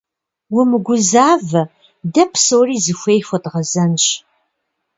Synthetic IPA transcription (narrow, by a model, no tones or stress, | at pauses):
wʊmɨɡʷʊzaːvɐ | dɐpʰsowriːzɨxʷejxʷɐdʁɐzɐnɕ